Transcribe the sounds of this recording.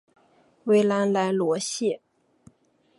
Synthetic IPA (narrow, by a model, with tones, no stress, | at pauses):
we˧˥ɪla˧˥nla˧˥ɪlwɔ˧˥ɕjɛ˥˩